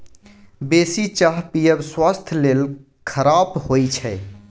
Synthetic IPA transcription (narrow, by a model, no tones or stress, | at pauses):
besit͡ʃaɦpijəbswast̪ʰlel | kʰəɾabɦojt͡ʃʰɛ